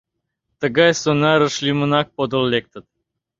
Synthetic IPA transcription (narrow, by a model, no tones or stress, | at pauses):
t̪ə̆ɡɑjsonɑɾə̆ʃlʲimənɑk̚pod̪olˠlʲek̚t̪ət̪̚